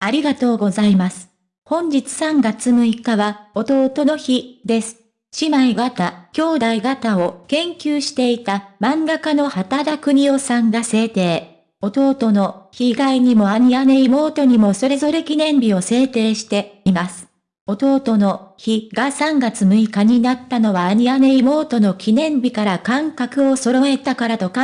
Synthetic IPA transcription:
aɾʲiɡat̪o̞ːɡo̞zaimasɨ̥ | hõ̞ɲ̟d͡ʑit͡sɨ̥sãŋɡat͡sɨmɯ̟ikaβao̞t̪o̞ːt̪o̞no̞çid̪e̞sɨ̥ | ɕimaiɡat̪akʲo̞ːd̪aiɡat̪ao̞kẽ̞ŋkʲɨːɕi̥t̪e̞it̪amãŋɡakano̞hat̪ad̪akɯ̟ɲ̟io̞sãŋɡase̞ːt̪e̞ː | o̞t̪o̞ːt̪o̞no̞çiɡaiɲ̟imo̞aɲ̟iane̞imo̞ːt̪o̞ɲ̟imo̞so̞ɾe̞zo̞ɾe̞kʲinẽ̞mbʲio̞se̞ːt̪e̞ːɕi̥t̪e̞imasɨ̥ | o̞t̪o̞ːt̪o̞no̞çiɡasãŋɡat͡sɨmɯ̟ikaɲ̟inat̪ːano̞βaːɲ̟iane̞imo̞ːt̪o̞no̞kʲinẽ̞mbʲikaɾakãŋkakɯ̟o̞so̞ɾo̞e̞t̪akaɾat̪o̞ka

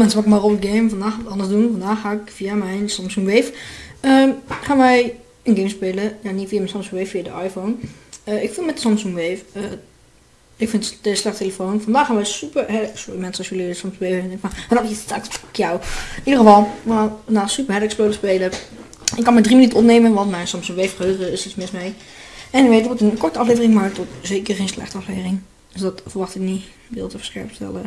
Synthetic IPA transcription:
mɛnsəʋaːkɪkmarobtɡejmfɑndaːxχaːtɑndəsdunfɑndaːχːaːɪkfiamɛjnsɑmsuŋʋejfəχaːnʋɛj | ənɡejmspeːləjanitfiamɛnsɑmsuŋʋeffiadəʔajfonəɪkfulˠmɛtdəsɑmsuŋʋejfə | ɪkfɪnətəslɛχtʰeləfoːnfɑndaːχaːnʋɛjsypəɹɦɛsʊrimɛnsənɔsjələəsɑmsuŋʋeːdɛŋkəfanadaətakkjawidərχəfɑlˠʋəaːnfɑndaːsypəɹɦɛləkspøːlˠəspeːlə | ɪkːɑnmɛdrimənytənɔpneːmənʋɑntmɛjnsɔmsuŋʋejfχəøχəɪsitsmɪsmej | ɛnɪʋeːtɔtənkɔɹtəɑfleːvərɪŋmaɹtɔtz̥eːkərχejnslɛ̰χtəɑfleːvərɪŋ | dəsdɔtfəʋɑχtɪkni | ʋɪ̰ːlˠtəfə̥skɛ̰ɹptɛ̰lə

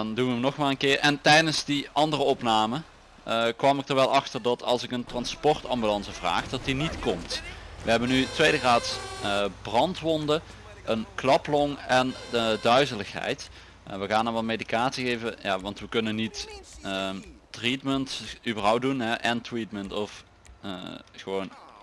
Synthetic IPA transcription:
dɑndunʋənɔxmaːlənkɪːɹʔɛntɛjdənsdiʔɑndərəɔpnaːmə | kʋɑmɪk̚dəɹʋɛlˠʔɑxtərdɑtʰɑ̰lˠsɪkəntrɑnspɔrtɑmbylɑnsəvra̰ːχdɑtinitkɔmtʋəɦɛbənytʋejdəɣaːtsbrɑntʋɔndə | ənklɑplɔŋɛndœɥzələxɦɛ̰jt | ʋəɣaːnɔnʋɑlmejdikaːtsixejvəjaːʋɑntʋəkɵnənitətritməntybərɦʌw̚dunɦɛʔɛntritməntɔf | əχəʋown

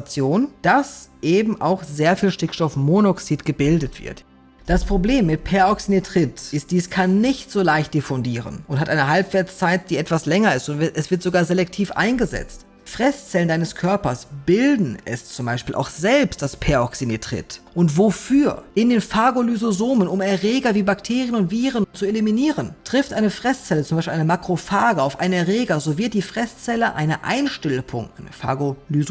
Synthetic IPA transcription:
t͡sjoːnd̥asʔeːbm̩ʔa̰ʊxz̥eːɐfiːlʃtɪkʃtɔfmonɔksiːtɡ̥əbɪldətv̥ɪ̰ɐt | d̥aspʁ̥obleːmːɪt̚pʰɛɐɔksinetʁ̥ɪtʔɪst̚d̥iːskʰanːɪçtz̥oːlaɪçt̚d̥efɔndiːʁə̰nʔʊnthatʔaɪnəɦalpv̥ɛːɐt͡st͡saɪt̚d̥iːʔɛtv̥aslɛŋɐɪstʊntvɛsv̥ɪɐtz̥oɡaːɐzelɛk̚tʰiːfʔa̰ɪnɡəzɛ̰t͡st | fʁ̥ɛst͡sɛləndaɪnəskʰœɐpɐsb̥ɪldn̩ɛ̰st͡sʊmbaɪʃpiːlʔa̰ʊxz̥ɛlpst̚d̥aspʰɛɐɔksinetʁ̥ɪ̰tʔʊntv̥ofyːɐʔɪndeːnfaɡolyzozoːmənʊmɛɐʁɛːɡɐviːbaktʰeːʁjənʊntv̥iːʁənt͡sueliminiːʁəntʁ̥ɪftʔaɪnəfʁ̥ɛst͡sɛlət͡sʊmbaɪʃpilʔaɪnəmakʁ̥ofaːɡəaʊfʔa̰ɪnɛɐʁɛːɡɐzoːvɪɐt̚d̥iːfʁ̥ɛst͡sɛləʔa̰ɪnəʔa̰ɪnʃtɛlpʰʊ̰ŋʔaɪnəfa̰ɡolyz

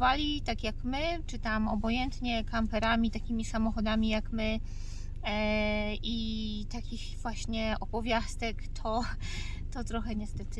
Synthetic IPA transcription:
valʲit̪akʲjakmɘt͡ʂɘt̪amɔbɔjɛnt̪ɲɛkampɛɾamʲit̪akʲimʲisamɔxɔd̪amʲijakmɘ | ʔi | t̪akʲixvwaɕɲɛɔbɔvʲjast̪ɛkt̪ʰɔ | t̪ɔt̪ɾɔxɛɲɛst̪ɛt̪ɘ

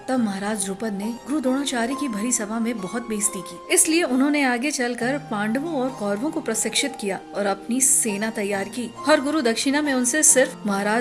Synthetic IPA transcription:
t̪ɐbmɐɦaɾaːd͡ʒɾuːpəd̪neɡʊɾud̪oːɽ̃at͡ʃaːɾikibʱɐɾisɐbʱamẽbɔɦʊt̪̚beːst̪ikiːɪslieʊnɦõːneaːɡet͡ʃɐlkɐɾpãːɳɖʋõɔːɾkɔːɾʋõkopɾɐsɪkʃɪt̪kijaːɔːɾɐpnisseːnat̪ɐjːaːɾkiːhɔːɾɡʊɾud̪ɐkʃɪnamẽʊnsesɪɾfmɐɦaɾaː

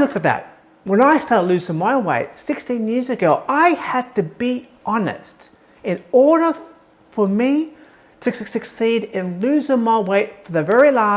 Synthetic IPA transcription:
lʊkfə˞ðæ̰t̚ | wə̃naɪstɑɹtˡlʉzɪ̃ŋmaɪweɪt̚sɪkstĩnjɪɹzɨɡoʊʔaɪɨd̚tɨbi | ʔɑnɨ̰st | ɨ̃nɔɹɾə˞ | fə˞mi | ɾɨsɨsɨksiɾɪ̃nlʉzɪ̃ŋmaɪweɪtfə˞ðɨvɛɹilæ

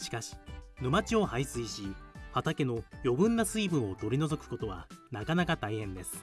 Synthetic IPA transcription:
ɕi̥kaɕi̥nɯ̟mat͡ɕio̞haisɨiɕihat̪ake̞no̞jo̞bɯ̟̃nːasɨibɯ̟̃ɰ̃o̞t̪o̞ɾʲino̞zo̞kɯ̟̥ko̞t̪o̞βa̰nakanakat̪aihẽ̞nd̪e̞sɨ̥

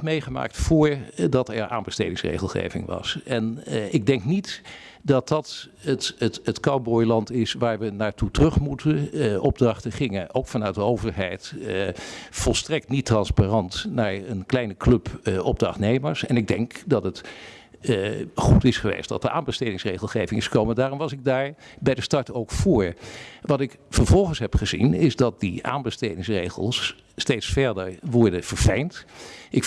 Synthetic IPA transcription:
mejχəma̰ːk̚tfʊːɹdɑtɛ̰ɹa̰ːnbəstejdɪŋsrḛjχəlˠχḛjvɪ̰ŋʋɑ̰sɛnɪɡ̚dɛŋknit | dɑt̚dɑt | ətətətkɑwbɔjlɑntɪsʋaːɹʋənaːɹtutərɵχmutəʔɔb̚drɑχtəχɪŋənʔowkfɑnœɥt̚dəowvəɹɦɛjt | fɔlˠstrɛk̚tnitrɑnsparɑntnaːɹənklɛjnəklɵpʔɔb̚drɑ̰χtnejməɹsɛnɪɡ̚dɛŋkdɑtət | χutɪsχəʋḛjstdɑ̰təʔaːnbəstejdɪŋsrejχəlˠχejvɪŋɪsχə̥kowməndaːrɔmʋɑsɪɡ̚daːɹbɛjdəstɑɹtowkfoːɹʋɑtɪk | fəɹvɔlˠχənsɦɛpχəzḭnɪzdɑt̚dia̰ːnbəstejdɪŋsrejχə̰lˠs | tejtsfɛɹdəɹʋɔɹdəv̥əɹvɛjntɪk

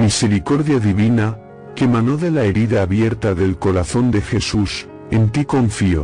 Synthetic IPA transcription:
mise̞ɾiko̞ɾðjaðiβina | ke̞mãno̞ðe̞laeɾiðaːβje̞ɾt̪aðe̞lko̞ɾaθo̞nd̪e̞xe̞sus | e̞nt̪iko̞ɱfio̞̰

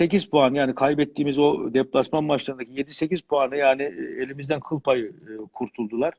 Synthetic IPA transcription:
se̞cizpʰuanɯjaːnikʰajbɛt̪ʰːiːmizo̞d̪ɛplʲˠasmanbaʃlˠaɾɯnd̪acʰije̞d̪ise̞cizpʰuanɯjaːnie̞lʲimizd̪ænkʰɯlˠpʰajɯkʰuɾt̪ʰulˠd̪ulˠaɾ̥

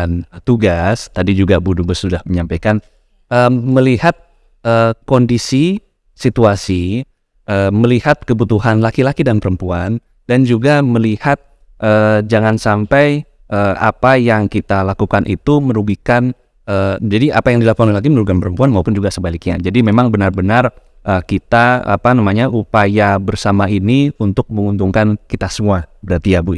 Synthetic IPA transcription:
nt̪uɡast̪adid͡ʒuɡabudubəsudahməɲampajkan | ʔəːəlihat̪̚ | əkondisi | sit̪uasi | ʔəməlihat̪̚kəbut̪uɦanlakilakidanpəɾəmpuan | dand͡ʒuɡaməlihat̪̚ | ʔəd͡ʒaŋansampaj | əa̰pajaŋkit̪alakukanʔḭt̪uməɾuɡikan | əd͡ʒadiʔa̰pajaŋdilakukanalak̬iməɾuɡikanpəɾəmpuanmaupʊnd͡ʒuɡasəbalɪk̚ɲa̰d͡ʒadimemaŋbənarbənar | ʔəkit̪aa̰panamaɲaʔupajabərsamainiunt̪ʊk̚məŋunt̪uŋkankit̪asəmuabəɾart̪iabu

